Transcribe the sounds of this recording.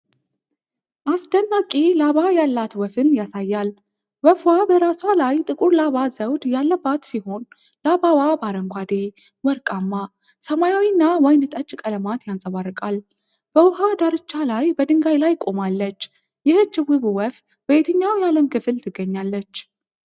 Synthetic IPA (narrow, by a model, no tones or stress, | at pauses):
ʔasd̪ənːakʼilaβajalːat̪wəfɨnjasajːal | wəfwabəɾaswalajt̪ʼɨkʼuɾlaβazəwd̪jalːəbːat̪siho̞n | labawabaɾəŋɡʷad̪e̞ | wəɾkʼamːa | səmajawinːawɔjnɨt̪ʼət͡ʃʼkʼələmat̪jansʼəβarːɨkʼal | b̥əwʊɦad̪aɾɨt͡ʃːalajbəd̪ɨŋɡajlajkʼo̞malːət͡ʃː | jɪhɨt͡ʃːɨwɨβɨwəf | b̥əjet̪ʰəɲːawjaləmkɨfɨlt̪ʰɨɡːəɲːalːət͡ʃː